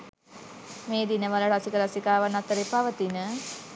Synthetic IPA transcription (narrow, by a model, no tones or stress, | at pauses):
meːd̪inəʋaləɾasikəɾasikaːʋanat̪əɾepaʋət̪inə